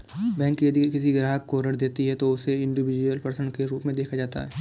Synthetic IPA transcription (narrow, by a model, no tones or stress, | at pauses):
bɛ̃ːŋkːjɐd̪ikɪsiɡɾaːɦəkːoɾəʈd̪eːt̪iɦɛt̪oʊseɪ̃ɳɖɪʋɪd͡ʒuəlpɾsə̃nkeɾuːpmẽd̪eːkʰad͡ʒaːt̪a̰ɦɛː